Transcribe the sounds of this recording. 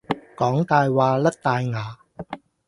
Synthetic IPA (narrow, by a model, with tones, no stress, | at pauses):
kɔː˨˥ŋt̪aː˧jwaː˧lɐ˥k̚t̪aː˧jŋaː˨˧